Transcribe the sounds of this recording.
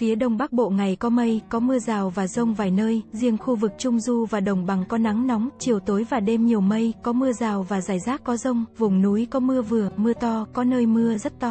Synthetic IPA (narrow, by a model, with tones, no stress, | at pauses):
fi˨˦əɗə˨˩wŋ͡mɓa˦˥k̚ɓo̰˧˨ŋa˨˩jkɔ˨˦mə˧jkɔ˨˦mɨ˧əzaː˨˩wvaː˨˩zə˧wŋ͡mvaː˨˩jnəː˧jzi˧əŋxu˧vɨ˨˩k̚t͡ɕʊ˧ŋ͡mzu˧vaː˨˩ɗə˨˩wŋ͡mɓa˨˩ŋkɔ˨˦na˨˦ŋnɔ˨˦wŋ͡mt͡ɕi˨˩əwt̪o˨˦jvaː˨˩ɗe˧mɲi˨˩əwmə˧jkɔ˨˦mɨ˧əzaː˨˩wvaː˨˩zaː˧˩jzaː˦˥t̚kɔ˨˦zə˧wŋ͡mvʊ˨˩wŋ͡mnu˨˦jkɔ˨˦mɨ˧əvɨ˨˩əmɨ˧ət̪ɔ˧kɔ˨˦nəː˧jmɨ˧əzə˦˥t̚t̪ɔ˧